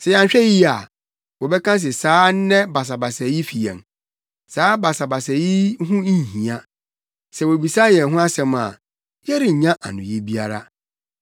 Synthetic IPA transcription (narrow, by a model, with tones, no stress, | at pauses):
sɛ˨jã˨ɲ˨ɕᶣɛ˦ji˦a˨ | wɔ˨bɛ˦kʰã˦s̬ɪ˨saː˨˦nɛ̃˦ba˨s̬a˨ba˨sɛ˨ji˦fi˨ɛ̰̃˨m | saː˦ba˨sa˨ba˨sɛ˨ji˦ɦʊ̃˦˨hĩ˨a˦ | sɛ˨wo˨bi˨sa˦jɛ̃˨n˦ɦʊ̃˦a˦sɛ̃˨ma̰˨ | jɛ˦ɾi˨ɲã˦ʔa̰˨nʊ̰̃˨ji˦bi˦a˦ɾa̰˦